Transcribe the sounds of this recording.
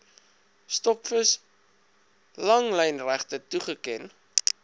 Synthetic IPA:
stɔpfəs | lɐŋləjnræχtətuχəkɛn

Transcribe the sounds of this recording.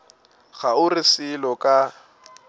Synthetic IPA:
ɣaʊrɪsɪlɔkʼa

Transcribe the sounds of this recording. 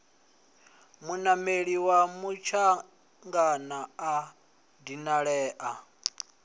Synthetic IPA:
munameɺiwamut͡ʃʰa | ŋɡanaa | dinaɺɛːʔa

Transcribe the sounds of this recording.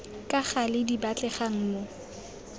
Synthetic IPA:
kʼaχalɪdibat͡ɬʼɛχaŋ̩mo

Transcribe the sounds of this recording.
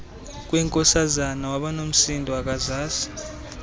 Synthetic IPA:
k̬ʼwɛŋkʼɔsazanawaɓanom̩sindʱɔak̬ʼazaːsi̥

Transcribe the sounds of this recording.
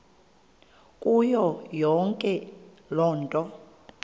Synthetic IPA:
kʼujɔjɔŋkʼɛ | lɔːntʼɔ

